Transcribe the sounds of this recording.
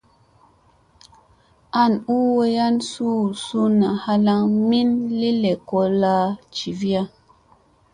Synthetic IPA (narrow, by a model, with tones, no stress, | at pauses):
a˦˨nu˦wo˦ja˦nsu˦˨su˦na˨ha˦la˦ŋmi˦nli˦le˨ko˦la˦t͡ʃi˨vi˦a˦